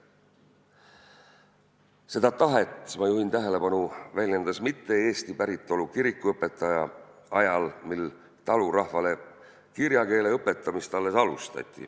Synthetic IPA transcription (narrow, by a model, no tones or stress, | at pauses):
se̞d̪̥ɑt̪ɑɦet̪ːˑmɑjuɦint̪æɦe̞le̞pɑnuvælʲje̞nd̪̥ɑsmit̪ːe̞e̞ːst̪ipæɾit̪ːˑo̞lukiɾikːˑuɤpːˑe̞t̪ːˑɑjɑɑjɑlmil | t̪ɑlurɑhvɑle̞ | kiɾjɑke̞ːle̞ɤpːˑe̞t̪ːˑɑmist̪ɑlːe̞sɑlṵst̪ɑ̰t̪ʲˑːḭ